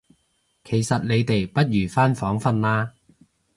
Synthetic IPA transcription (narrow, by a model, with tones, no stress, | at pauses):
kʰe˨˩jsɐ˨t̚le˨˧jt̪e˨jpɐ˥t̚jyː˨˩faː˥nfɔː˨˥ŋfɐ˨nlaː˥